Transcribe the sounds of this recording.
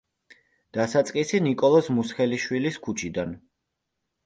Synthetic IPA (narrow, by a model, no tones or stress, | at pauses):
d̪̥asat̪sʼqʼisinikʼɔlˠɔsmusχɛliʃwiliskʰut͡ʃʰid̪an